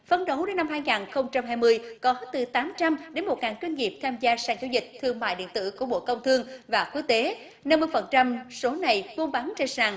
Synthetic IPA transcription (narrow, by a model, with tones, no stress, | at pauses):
fə˧nɗə˨˦wɗe˨˦nːa˧mɦaː˧jŋaː˨˩nxə˧wŋ͡mt͡ɕa˧mɦaː˧jmɨ˧əjkɔ˨˦t̪ɨ˨˩t̪aː˨˦mt͡ɕa˧mɗe˨˦nmo˨˩t̚ŋaː˨˩nt͡ɕwi˧nŋi˨˩p̚t̪ʰaː˧mzaː˧saː˧˩ŋzaː˨˦wzï˨˩k̟̚t̪ʰɨ˧əŋma̰ː˧˨jɗḭ˧˨ənt̪ɨ̰˧˨ku˧˩əɓo̰˧˨kə˧wŋ͡mt̪ʰɨ˧əŋvaː˨˩ku˨˦˥ək̚t̪e˨˦ | na˧mːɨ˧əjfə˨˩nt͡ɕa˧mso˨˦na˨˩jku˧nɓa˨˦nt͡ɕe˧nsaː˨˩ŋ